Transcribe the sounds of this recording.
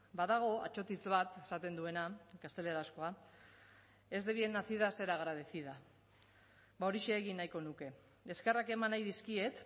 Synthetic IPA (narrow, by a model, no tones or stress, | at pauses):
baðaɣ̞o̞a̰t͡ʃo̞t̪it͡sβat̪e̞sat̪e̞nd̪ue̞nakast̪e̞le̞ɾasko̞a | e̞zd̪e̞βienaθiðase̞ɾaɣɾaðesið̞a | bao̞ɾiʃeːɣinːajko̞nuke̞ | eske̞rake̞manajðiskie̞t̪